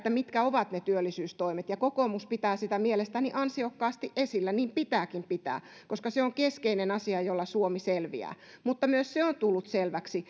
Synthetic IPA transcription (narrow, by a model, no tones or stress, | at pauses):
t̪ːæmit̪kæoʋɑt̪net̪yølːisyːst̪oimet̪jɑkokomuspit̪æːsit̪æmielest̪æniʔɑnsiokːɑːst̪iʔʔesilːæniːmpit̪æːkimpit̪æ̰ːkoskɑseoŋkeskeinenɑsiɑjolːɑsuomiselʋḭæ̰ː | mut̪ːɑmyøsseont̪ulːut̪selʋæksi